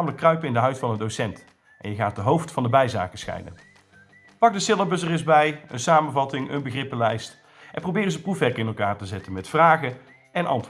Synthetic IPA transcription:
aːmələkːrœɥpəɪndəɦœɥtfɑnəndowsɛnt | ʔɛ̰njəɣaːt̚dəɦowftfɑndəbɛjza̰ːkəsxɛ̰jdə̰n | pɑk̚dəsɪlˠəbəsərɪzbɛjə̰nsaːmənvɑtɪŋʔə̰nbəɣrɪpəlɛjst | ʔɛnprowbɪːrənzəprufʋɛɹkɪnɛlˠkaːɹtəzɛtənmɛtfraːɣə | ɛnʔɑ̰nt

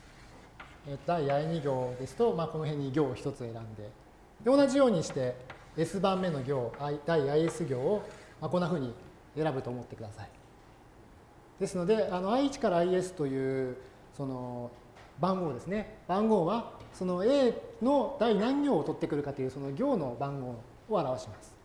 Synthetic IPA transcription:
et̪od̪aiaiɲ̟iɡʲo̞ːd̪e̞sɨ̥t̪o̞maːko̞no̞ɦẽ̞ɲ̟ːiɡʲo̞ːçi̥t̪o̞t͡sɨe̞ɾãnd̪e̞ | d̪eo̞naʑijo̞ːɲ̟iɕi̥t̪e̞ː | sɨbãmːe̞no̞ɡʲo̞ːaid̪̥aiaie̞sɨɡʲo̞ːomako̞nːaɸɯ̟ːɲ̟i | e̞ɾabɯ̟t̪o̞ːmo̞t̪ːe̞kɯd̪asai̥ | d̪̥e̞sɨno̞d̪e̞ano̞aiit͡ɕi̥kaɾaːie̞sɨ̥t̪o̞jɯ̟ː | so̞no̞ | bãŋɡo̞ːd̪e̞sɨne̞bãŋɡo̞ːβaso̞no̞e̞ːno̞d̪̥ainãŋɡʲo̞ːt̪o̞t̪ːe̞kɯ̟ɾɯ̟kat̪ːejɯ̟ːso̞no̞ɡʲo̞ːno̞bãŋɡo̞ː | oaɾaβaɕimasɨ̥

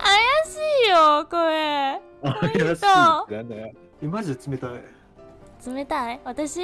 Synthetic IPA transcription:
ajaɕiːjokoe | ajaɕoane | emaʑt͡sɨme̞t̪ai | t͡sɨme̞t̪aiβat̪aɕi

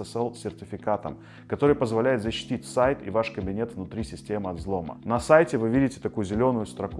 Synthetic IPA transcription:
ɛsɛlˠsʲɪrtʲɪfʲɪkat̪əm | kɐt̪o̞ɾɨjpəzvɐlʲæjɪt̪zəɕːɪ̥tʲitʲsajt̪ɪ̰vaʂkəbʲɪnʲe̞t̪vnʊt̪ɾʲisʲɪsʲtʲe̞mɨɐd̪zlˠo̞mə̰nɐsajtʲɪvɨvʲidʲɪtʲɪ̥t̪ɐkujʊzʲɪlʲo̞nʊjʊst̪ɾɐku

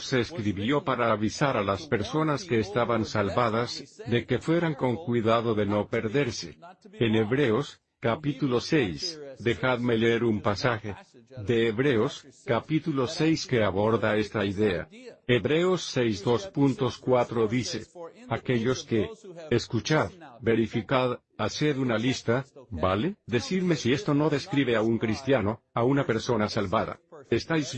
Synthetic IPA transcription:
sseːskɾiβjo̞paɾaβisaɾalaspe̞ɾso̞naske̞ːst̪aβansalβaðazd̪e̞ke̞fwe̞ɾaŋko̞ŋkwiðaðo̞ðe̞no̞pe̞ɾðe̞ɾse̞̰ene̞βɾe̞os | kapit̪ulo̞se̞jsd̪e̞xaðme̞leeɾumpasaxe̞ðe̞ːβɾe̞oskapit̪ulo̞se̞jske̞aβo̞ɾðae̞st̪aiðe̞a̰eβɾe̞osːejzd̪o̞spunt̪o̞skwat̪ɾo̞ðise̞̰ake̞ʎo̞ske̞ːskut͡ʃaðbe̞ɾifikað | ase̞ðunalist̪abale̞ðe̞siɾme̞sie̞st̪o̞no̞ðe̞skɾiβ̞e̞auŋkɾist̪jano̞aunape̞ɾso̞nasalβaða̰est̪ajs

